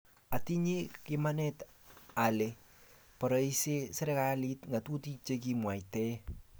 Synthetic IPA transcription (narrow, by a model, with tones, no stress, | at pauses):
a˨ti˦ɲe˦kɪmanɛt | a˨le˨ | pɔ˨ɾɔ˨i˦se˦sɪ˦ɾɛkalitŋa˨tu˦ti˦t͡ʃek̬imwa˨itɛ˦